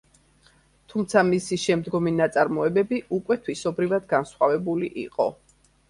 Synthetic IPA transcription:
t̪ʰumt̪sʰamisiʃɛmd̪ɡɔminat̪sʼaɾmɔɛbɛbiukʼwɛt̪ʰwisɔbɾivad̪ɡansχwavɛbulḭʔḭqʼɔ

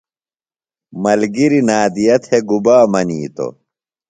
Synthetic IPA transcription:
mɐlɡiɾinaːd̪ijɐt̪ʰeɡubaːmɐniːt̪o̰

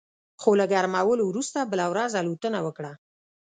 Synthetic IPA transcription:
xolaɡaɾmawəlowɾust̪abəlawɾazalut̪ənawəkɽa

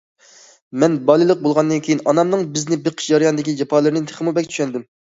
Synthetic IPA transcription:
mɛnbɑlˠɨlˠəq̚bolˠʁɑnd̪ɨnkʲʰejinɑnɑmnɨŋbɪznɪbeqʰə̥ʃd͡ʒɑɾjɑnɨd̪ɪkʲid͡ʒɑpʰɑlˠɨɾnɨt̪ʰe̥χəmubɛkʲt͡ʃ̪ʰy̥ʃɛnd̪ɪm

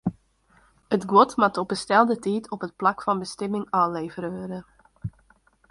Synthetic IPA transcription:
ətɡwɔtmatɔbəstɛlˠdətiːtʰɔpɦət̚plɑkfɑnbəstɛmɪŋaːnleːvəɾøədə

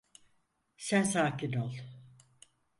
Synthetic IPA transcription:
sænsaːkʰinolˠ

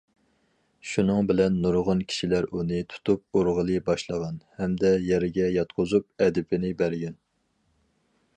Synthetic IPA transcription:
ʃunɨŋbɪlɛnːuɾʁʊnkʲʰi̥ʃilæɾunɨt̪ʰu̥t̪ʰup̚uɾʁəlˠɨbɑʃlˠɑʁɑnhɛmd̪ɛjɛɾɪɡʲɛjɑt̪̚qʰʊzup̚ɛd̪ɪpʰɪnɪbæɾɡʲɛn

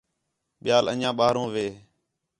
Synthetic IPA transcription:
ɓɪjaːlə̰ɲãːɓaːɦɾõːʋeː

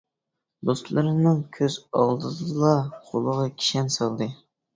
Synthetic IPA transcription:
d̪ost̪lˠɨɾɨnɨŋkʲʰøzɑlˠd̪ɨd̪ɨlˠɑqʰolˠəʁɑkʲʰi̥ʃɛnsɑlˠd̪ɨ

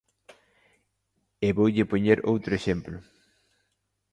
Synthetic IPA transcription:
eβowʎɪpoɲeɾowt̪ɾʊeʃemplʊ

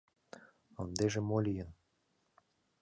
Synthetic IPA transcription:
ɤnd̪eʒĕmolʲijə̆n

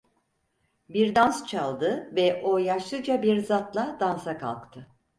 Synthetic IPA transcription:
biɾd̪anst͡ʃʰalˠd̪ɯvɛʔojaʃlˠɯd͡ʒabiɾzat̪lˠad̪ansakʰa̰lˠkt̪ʰɯ

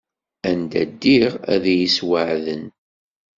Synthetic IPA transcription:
ænd̪æd̪ːiʁæ̰ðæjiswəʕðən

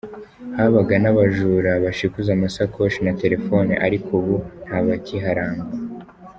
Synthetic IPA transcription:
haβaɡanaβaʒuɾaβaʃikuzamasakʰoʃinate̞ɾe̞fo̞nḭʔaɾikʰuβun̥haβaciɦaɾaːŋɡa

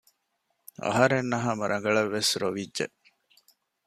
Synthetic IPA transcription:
ɐ̰ɦɐɾenːɐɦaːmɐɾʔɐŋɡɐɭɐʋːesɾoʋidʒḛʔ

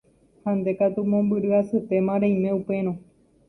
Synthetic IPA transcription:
hãnd̪e̞kat̪umõmbɨɾɨasɨp̪e̞mãɾẽj̃mẽupe̞ɾ̃õ

